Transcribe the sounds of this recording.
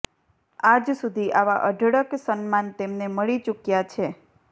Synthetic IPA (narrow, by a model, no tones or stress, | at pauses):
ad͡ʒsud̪ʱiʔaʋaʔəɖʱɽəksənmant̪emneməɭit͡ʃukjat͡ʃʰe